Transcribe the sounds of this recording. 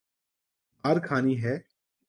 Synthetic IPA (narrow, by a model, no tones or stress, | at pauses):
aːɾkʰaːniɦɛː